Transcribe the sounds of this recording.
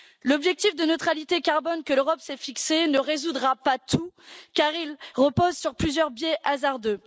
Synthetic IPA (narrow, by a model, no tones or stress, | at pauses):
lɔbʒɛk̚t̪ifd̪ənøt̪χalit̪ekaʁbɔnkəløʁɔpsɛfiksenəʁezud̪ʁapat̪ukaʁilʁəpozsyʁplyzjœʁbjɛʔazaʁd̪ø